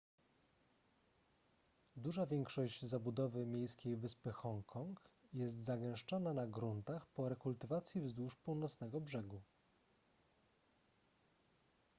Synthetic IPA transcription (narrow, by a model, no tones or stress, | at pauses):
d̪uʐavʲjɛŋkʂɔʑd͡ʑzabud̪ɔvɘmʲjejskʲejvɘspɘxɔŋkʰɔŋkjɛst̪zaɡɛ̃w̃ʂt͡ʂɔnanaɡɾunt̪axpɔɾɛkult̪ɘvat̪sʲjivzd̪wuʂpuwnɔt̪snɛɡɔbʐɛɡu